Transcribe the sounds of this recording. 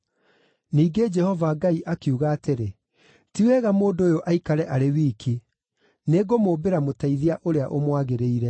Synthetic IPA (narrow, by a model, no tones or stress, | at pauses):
niːɡed͡ʒɛhɔvaɡaiʔakiuɣaːteɾe | tiwɛɣamoːndoːjoʔaikaɾɛʔaɾewiːkʰi | neɡomoːbeɾamotaiðiaʔoɾeaʔomwaɣeɾeiɾɛ